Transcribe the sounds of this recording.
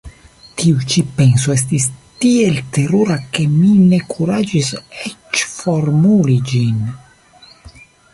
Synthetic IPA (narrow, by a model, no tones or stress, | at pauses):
t̪iut͡ʃipɛnsoɛst̪ist̪ielt̪eruɾakeminekʰuɾad͡ʒisɛt͡ʃformulid͡ʒin